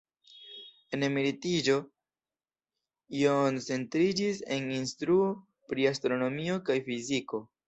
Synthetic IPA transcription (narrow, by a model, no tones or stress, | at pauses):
e̞nemiɾitid͡ʒo̞ | iont͡se̞ntɾid͡ʒise̞̰ninstɾuo | pɾiastɾo̞no̞mio̞kajfiziko̞